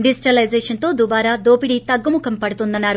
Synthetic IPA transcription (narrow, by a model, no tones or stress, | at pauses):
ɖisiʈɐlɐjzeːʂɐnt̪o̞ːd̪ubaːɾaːd̪oːpiɽit̪ɐɡːɐmukɐmpɐɽut̪und̪ɐnːaːɾu